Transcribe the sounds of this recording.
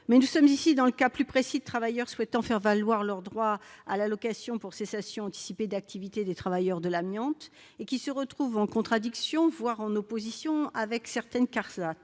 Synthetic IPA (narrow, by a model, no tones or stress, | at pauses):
mɛnusɔmzisid̪ɑ̃ləkaplypχesid̪ət̪χavajœʁswɛt̪ɑ̃fɛʁvalwaʁlœʁd̪ʁwaalalɔkasjɔ̃puʁsesasjɔ̃ɑ̃t̪i̥siped̪ak̚t̪ʰivit̪ed̪et̪χavajœʁd̪əlamjɑ̃t̪ | ekʲisəʁət̪χuvɑ̃kɔ̃t̪χad̪iksjɔ̃vwaʁɑ̃nopozisjɔ̃avɛksɛʁt̪ɛnkaʁzat̪